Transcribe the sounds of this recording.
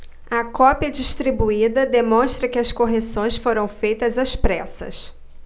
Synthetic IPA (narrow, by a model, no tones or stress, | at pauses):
ɐkɔpjɐd͡ʒiʃt̪ɾibuid̪ɐd̪emõst̪ɾɐkɪɐskoɦesõj̃sfoɾɐ̃w̃fejt̪ɐzɐspɾɛsɐ̰s